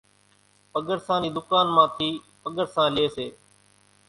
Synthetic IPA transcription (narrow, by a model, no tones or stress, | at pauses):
pəɠəɾsãːniːd̪ʊkaːnmãːt̪ʰiː | pəɠəɾsãːlɪeːseː